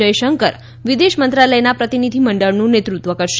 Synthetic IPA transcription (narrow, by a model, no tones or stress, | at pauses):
əjʃəŋkəɾ | ʋid̪eʃmənt̪ɾaləjnapɾət̪inid̪ʱiməɳɖəɭnũnet̪ɾut̪ʋəkəɾʃ